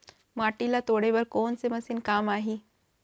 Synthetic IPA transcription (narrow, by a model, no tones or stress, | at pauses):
maʈilat̪oɽeʋəɾkont͡seməsiːnkamaɦi